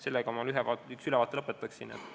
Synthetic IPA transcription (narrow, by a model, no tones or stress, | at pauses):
se̞lːeɡ̥ɑmɑlyɦevɑːtyksylɛvɑːt̪ːˑelɤpːet̪ːˑɑksinḛt̪ː